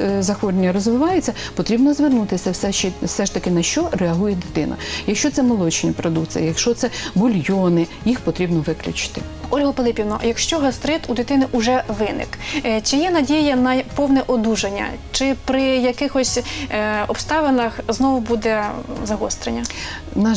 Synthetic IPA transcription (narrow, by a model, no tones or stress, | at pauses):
zɐxɔɾenʲːɐɾɔzʋɪʋɑjʊt͡sʲːɐpɔt̪ɾʲibnɔzʋɪrnut̪ɪsʲɐsɛɛsɛʃt̪ɐkɪnɐʃt͡ʃɔɾɛɐɦujɛd̪ɪt̪ɪnɐ̰jɐkʃt͡ʃɔt̪sɛmɔlˠɔt͡ʃɪnʲipɾɔd̪ukt̪t͡s̪ɨjɐjɐkʃt͡ʃɔt̪sɛbɔlʲjɔnɪjixpɔt̪ɾʲibnɔʋɪklʲʊ̰t͡ʃɪ̥t̪ɪ | ɔlʲɦɔfelˠɪpʲiwnɔ̰jɐkʃt͡ʃɔɦɐst̪ɾɪt̪ud̪ɪt̪ɪnɪʔʊʒɛʋɪnɪ̰kt͡ʃɪjɛnɐdʲijɐnɐpɔwnɛʔɔd̪uʒenʲːɐ̰t͡ʃɪpɾɪjɐkɪxɔsʲ | ɔpst̪ɑʋenɐxznɔʋʊbud̪ɛzɐɦɔst̪ɾenʲːɐ | nɐ